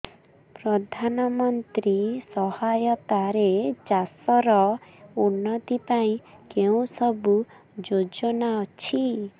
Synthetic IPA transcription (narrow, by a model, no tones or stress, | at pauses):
pɾɔd̪ʱanɔmɔnt̪ɾisɔhajɔt̪aɾed͡ʒasɔɾɔunːɔt̪ipaĩkeũsɔbu | d͡ʒod͡ʒɔnaɔt͡ʃʰi